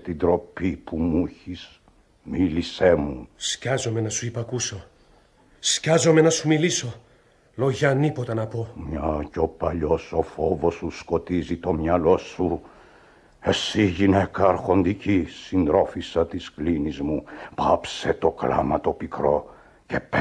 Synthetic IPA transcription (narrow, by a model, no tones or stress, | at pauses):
t̪id̪ɾo̞pipumuçis | milise̞muscɐzo̞menɐsuipɐkuso̞ | scɐzo̞me̞nɐsumiliso | loʝɐnipot̪ɐnɐpo̞mɲɐco̞pɐʎo̞so̞fovo̞susko̞t̪izit̪o̞mɲɐlo̞su | e̞siʝinekɐːɾxo̞nd̪icisind̪ɾo̞fisɐt̪isklinizmupɐpse̞t̪o̞klɐ̰mɐt̪o̞pikɾo̞ | ce̞p